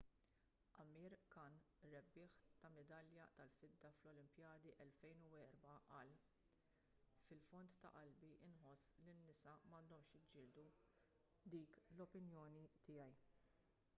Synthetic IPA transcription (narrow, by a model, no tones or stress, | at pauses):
ʔɐmːiːɾkɐn | ɾɛbːɪːħt̪ɐmɛd̪ɐljɐt̪ɐlfɪd̪ːɐflɔlɪmpjɐːd̪iʔɛlfɛjnuwɛːɾbɐʔɐːl | fɪlfɔnt̪ːɐ̰ʔɐlbiʔɪnħɔsːlinːɪsɐmɐnd̪ɔmʃjɪd͡ʒɪːld̪u | d̪iːklɔpɪnjɔːnit̪ɪjɐj